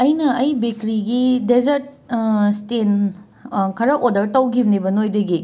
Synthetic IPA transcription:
ɐjnɐɐjbekɾiɡidezɐɾt̚ | sten | kʰɐɾɐʔodɐɾtɐwɡimnibɐnojdɐɡi

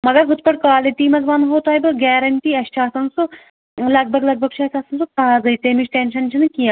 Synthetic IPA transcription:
mɐɡɐɾɦut̪̚pɐɽkaːliʈ̪iːmɐzʋaːnɦoːt̪aːjbɨɡɛːɾɐɳʈiːɐʃʈʰaːsɐnsu | lɐɡ̚bʱɐɡlɐɡ̚bʱɐɡ̚t͡ʃʰuɐsaːsɐnsukaːzɐjt̪eːmiʃʈenʃɐnʃɐnkijaː

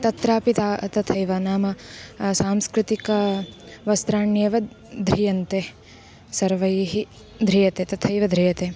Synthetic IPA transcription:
t̪ɐt̪ɾaːpit̪aːt̪ɐt̪ʰɐjʋɐnaːmɐsaːmskɾɪt̪ikɐʋɐst̪ɾaːɳjɐʋɐ | d̪ʱɾijɐnt̪e | sɐɾʋɐjɦi | d̪ʱɾijɐt̪eːt̪ɐt̪ʰɐjʋɐd̪ʱɾijɐt̪eː

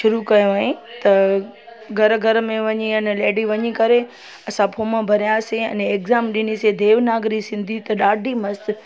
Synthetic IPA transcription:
ʃʊɾukɐjoaːɦẽt̪ɐ | ɡʱɐɾɡʱɐɾmẽʋɐɲiɐnleːɖiʋɐɲikɐɾe | ɐsãpʰoːmãbʱɐɾijãːseɐ̰neːkzaːmɗɪnised̪ʱeːʋnaːɡɾisɪ̃nd̪ʱit̪ɐɗaːɖʱimɐst̪

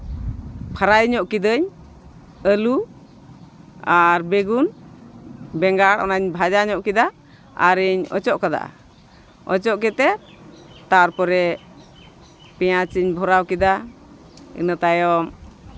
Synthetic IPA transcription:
pʰaɾajɲɔʔkid̪əɲ | əlu | aɾbeɡun | bɛŋɡaɽɔ̰naɲbʱad͡ʒaɲɔʔkid̪a | a̰ɾiɲɔ̰t͡ʃɔʔkad̪a̰ʔa̰ | ɔ̰t͡ʃɔʔkɛt̪ɛ | t̪aɾpɔɾɛ | pɛjat͡ʃiɲbʱɔɾawkid̪a | ḭnət̪ajɔm

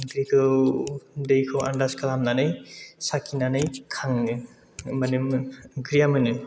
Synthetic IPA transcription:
ɡɾikʰɯw | dejkʰɯwa̰ndaskalamnanɯjsakʰinanɯjkʰaŋ | manɯmkɾijamɯnɯ

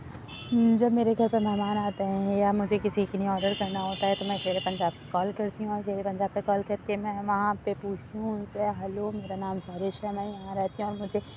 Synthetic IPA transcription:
d͡ʒɐbmeːɾeɡʱɐɾpɐɾmɛɦmaːnaːt̪eɦɛ̃jamʊd͡ʒʱekɪsiɪkniɔːɾɖəɾkɐɾnaɦoːt̪aɦɛt̪omɛ̃ːʃeːɾepɐ̃nd͡ʒaːb̚kekɔːlkɐɾt̪iɦũɔːɾt͡ʃeːɾepɐ̃nd͡ʒaːb̚kekɔːlkɐɾkemɛ̃ːʋɐɦãpepuːt͡ʃʰt̪iɦũʊnseɦɐlomeːɾanaːmsaːɾeːʃɦɛmɛ̃jɐɦãɾɛɦt̪iɦũɔːɾmʊd͡ʒʱe

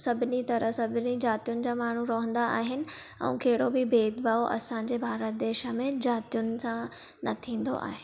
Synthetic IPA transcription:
sɐbʱɪnit̪ɐɾəɦsɐbʱɪnid͡ʑaːt̪ijʊnɪ̆d͡ʑaːmaːɳ̤uɾɐɦə̃n̆d̪aʔaːɦɪnɪ̆ | ɛ̰̃keːɦɪɽobɪbeːd̪baːoʔɐ̰sãːɲd͡ʑebʱaːɾət̪̚d̪eːʃə̆mẽd͡ʑaːt̪ijʊnɪ̆sã | nɐt̪ʰĩːn̆d̪o̰ʔa̰ːɦe

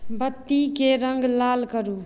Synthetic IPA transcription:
bət̪ːikeɾəŋɡlaːlkəɾu

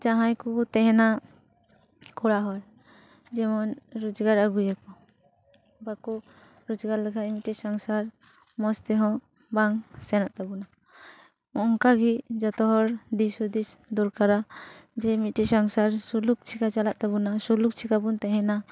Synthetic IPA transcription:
d͡ʒaɦãjkut̪ɛɦɛ̃na | kʰuɽaɦɔɾ | d͡ʒɛmɔnɾud͡ʒɡaɾaɡujakɔ | baku | ɾud͡ʒɡaɾləɡʰamitisɔŋsaɾ | mɔst̪ɛɦɔ̃ | baŋsɛnaʔt̪abuna | ɔŋkaɡid͡ʒɔt̪ɔɦɔɾd̪isud̪isd̪ɔɾkaɾad͡ʒɛmiʈisɔŋsaɾsuluk̚t͡ʃʰikat͡ʃalaʔ̚t̪abunasuluk̚t͡ʃʰikabunt̪ɛɦɛna

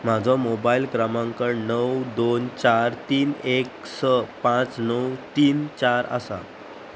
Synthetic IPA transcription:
m̤ad͡zʱɔmobailkɾamãŋkəɾnəwd̪ont͡ɕaɾt̪iːneksəpãt͡snəwt̪iːnt͡ɕaɾə̰sa̰

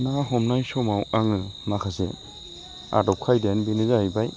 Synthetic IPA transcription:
naɦɔmnajsɔmawaŋɯnakʰasḛ | a̰dɔp̚kʰajdenbinɯzaijbaj

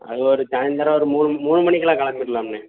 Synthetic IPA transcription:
ɐ̰ðɯɔɾɯt̪aːnd̪ɐɾɐ̃ɔɾɯmuːnɯmmuːnːɯmɐɳɪkːɐlãːkɐɭɐŋɪɾɯlamne

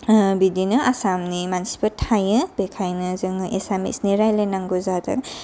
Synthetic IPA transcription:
bidinɯasamnimansi̥petʰajɯbekʰajnɯzɯŋʔesamḭsniɾajlajnaŋɡuzadɯ̰k̚

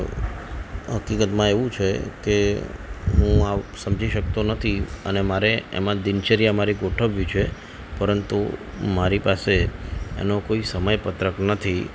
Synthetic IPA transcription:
ɦəkikət̪mãeʋũt͡ʃʰeke | ɦũasəmd͡ʒʱiʃək̚t̪onət̪ʰiənemaɾeḛmãd̪ɪnt͡ʃəɾijamaɾiɡoʈʰəʋjit͡ʃʰe | pəɾənt̪ṵ | maɾipaseḛnokoisəməjpət̪ɾəknət̪ʰi

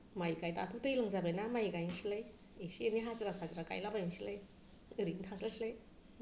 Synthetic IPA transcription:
majkajtatʰutɯjlaŋzabejnamajkajnsilaj | esieniɦaziɾatʰazɾaka̰jlabajinsilaj | ɯɾiŋtʰaslasilaj

